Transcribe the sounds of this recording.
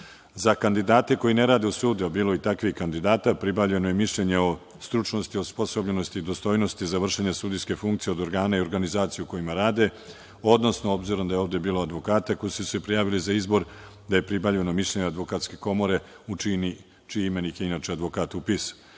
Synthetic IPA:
zakand̪id̪aːt̪e̞ko̞ine̞ɾaːd̪e̞usuːd̪eobiːlˠoit̪akʋihkand̪id̪aːt̪apɾibavʎe̞no̞jemiʃʎe̞ɲeo̞ | st̪ɾut͡ʃno̞st̪iospo̞sobʎe̞no̞st̪iːd̪o̞st̪o̞ːjno̞st̪izaʋr̩ʃeɲesuːd̪ijske̞fuŋkt̪sije̞o̞d̪o̞ɾɡaːnaio̞ɾɡanizaːt̪sijuko̞jimaɾaːd̪e̞ | o̞d̪no̞snoo̞bziɾo̞md̪ajeo̞ːʋd̪e̞biːload̪ʋo̞kaːt̪ako̞jisusepɾijaːʋilizaizbo̞ɾ | d̪aje̞pɾibavʎe̞no̞miʃʎe̞ɲead̪ʋo̞kat̪ske̞ko̞mo̞ɾe̞ | uini | t͡ʃiime̞nikeinat͡ʃead̪ʋokaːt̪upis

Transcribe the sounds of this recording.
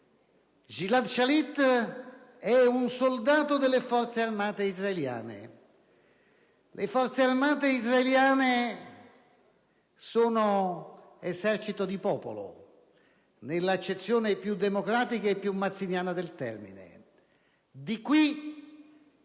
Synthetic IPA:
ʒilad̪ʃalit̪ː | ɛunsold̪aːt̪od̪elːefɔrt̪searmaːt̪eizraelja̰ːnḛ | lʔefɔrt̪searmaːt̪eizraeljaːne | soːno | esɛrt͡ʃit̪od̪ipɔːpolo̰ | nelːat͡ʃːet̪sːjoːnepjud̪ːemokɾaːt̪ikaepːjumːat̪sːinjaːnad̪elt̪ɛ̰rmḭnḛ | d̪ikwi

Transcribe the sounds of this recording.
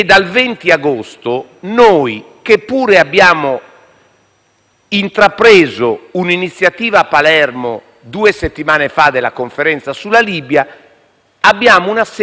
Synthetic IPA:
d̪ːalvent̪iaɡost̪o | noːi | kepːuːɾɛabːjaːmo | int̪ɾapɾɛːzouninit̪sːjat̪iːvaːpːalɛɾmo̰ | d̪uːɛset̪ːimaːnefad̪ɛlakoɱfɛɾɛnt̪sasulːaliːbjaː | bːjaːmounas

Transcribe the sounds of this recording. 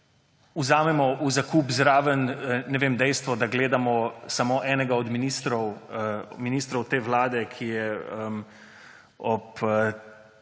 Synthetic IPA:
uzaːmɛmɔʔuzakuːpzɾaːʋənnɛʋeːmd̪ɛjst̪ʋɔd̪aɡleːd̪amɔsamoːʔɛːnɛɡaɔd̪minist̪ɾɔw | miniːst̪ɾɔwt̪eːʋlaːd̪ɛkʰijɛəm | ɔp

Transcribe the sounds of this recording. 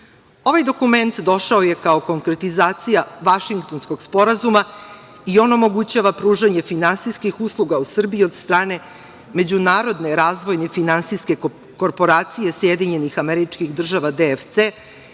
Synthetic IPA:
o̞ʋajd̪o̞kume̞nt̪d̪o̞ʃaoje̞kao̞ko̞ŋkɾe̞t̪izaːt̪sijaʋaʃiŋkt̪o̞nsko̞ɡspo̞ɾazuma | io̞no̞mo̞ɡut͡ɕaʋapɾuːʒaɲefinansiskixuslˠuɡausr̩biiod̪st̪ɾaːne̞ | me̞d͡ʑunaːɾo̞d̪ne̞ɾaːzʋo̞jnefinansiske̞ | ko̞ɾpo̞ɾaːt̪sije̞sjed̪iɲe̞nixameɾit͡ʂkixd̪r̩ʒaʋad̪eft̪se

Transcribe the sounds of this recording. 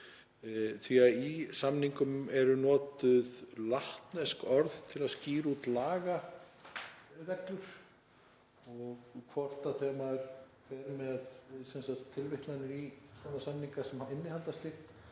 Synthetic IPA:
θiaisamniŋkʏmɛɾʏnɔːt̪ʏðlaht̪nɛskɔɾðt̪ʰɪlaðsciːɾuːt̪laːɣa | vɛklʏɾ̥ | ɔɣkʰvɔr̥t̪aθɛːmaɾ | fɛɾmɛðsɛnsat̪ʰːɪlvɪht̪lanʏɾisɔnasamniŋkasɛmaɪnːɪhalt̪ast̪ɪht̪

